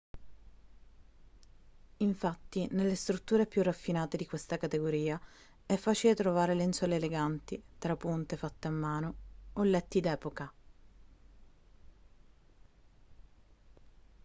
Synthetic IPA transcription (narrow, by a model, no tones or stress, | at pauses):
iɱfat̪ːinelːest̪ɾut̪ːuːɾepjurːafːinaːt̪ed̪ikwest̪akat̪eɡoɾiːa | ɛfːaːt͡ʃilet̪ɾovaːɾeleinsɔleːleɡant̪it̪ɾapːunt̪efat̪ːeamːaːnoolːɛt̪ːid̪ɛːpoka